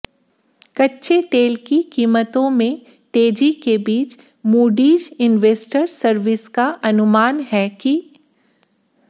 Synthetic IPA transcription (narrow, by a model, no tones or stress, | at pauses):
kɐtːʃʰet̪eːlkikiːmət̪õmẽ | t̪eːd͡ʒikebiːt͡ʃ | muːɖiːd͡ʒɪnʋeːsʈəɾsɐɾʋɪskaʔɐnʊmaːnɦɛki